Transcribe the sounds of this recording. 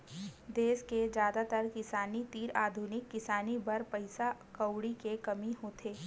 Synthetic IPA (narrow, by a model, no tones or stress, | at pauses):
d̪eːsked͡ʒjaːd̪at̪əɾkɪsaːnit̪iːɾaːd̪ʱunɪkːɪsaːnibɐɾpɐɪsakɐwɽikekɐmiɦoːt̪ʰeː